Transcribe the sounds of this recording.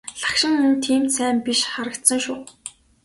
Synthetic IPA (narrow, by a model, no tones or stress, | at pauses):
ɮḁkʃɪ̆ŋunt̪ʰiːmt̪sæːmpiʃχaɾə̆kt̪sə̆ŋʃuː